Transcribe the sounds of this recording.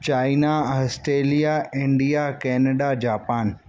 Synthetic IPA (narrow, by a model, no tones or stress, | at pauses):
t͡ɕaːinaɦɔsʈeːlijaɪ̃ɳɖijakɛːnəɖad͡ʑaːpaːn